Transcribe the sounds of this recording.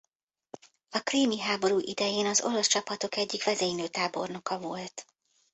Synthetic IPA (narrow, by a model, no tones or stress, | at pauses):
ɒkriːmiɦaːbo̞ɾuːʔid̪ɛjeːnɒzo̞̰lɒst͡ʃɒpɒt̪o̞kɛɟːikʋɛzeːjnøːt̪aːbo̞rno̞kɒvo̞lt̪